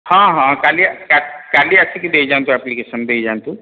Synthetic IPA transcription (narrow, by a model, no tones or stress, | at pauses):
hãɦãkaːlikakaːliasʰikid̪eid͡ʒant̪uɛplikeʃənd̪eːid͡ʒaːnt̪u